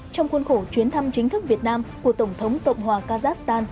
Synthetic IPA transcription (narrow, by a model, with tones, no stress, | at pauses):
t͡ɕɔ˧wŋ͡mxwə˧nxo˧˩t͡ɕwi˨˦ənt̪ʰa˧mt͡ɕï˨˦ŋ̟t̪ʰɨ˦˥k̚vi˨˩ət̚naː˧mku˧˩ət̪ə˧˩wŋ͡mt̪ʰə˨˦wŋ͡mt̪ə̰˧˨wŋ͡mhwaː˨˩kaː˧zaː˦˥st̪aː˧n